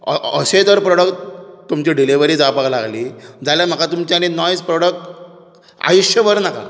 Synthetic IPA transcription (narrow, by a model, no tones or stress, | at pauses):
əəsed̪əɾpɾoɽəktt̪ːumt͡ɕiɖiliʋəɾiːd͡zapaklaɡliːd͡zaljam̤əkat̪umt͡ɕaaninɔjspɾoɽək̚ʈ | a̰juɕjəʋəɾnaka̰